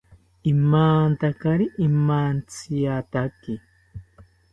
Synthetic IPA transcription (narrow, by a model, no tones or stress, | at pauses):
imaːnt̪akaɾiʔimaːnt͡sʰijat̪aki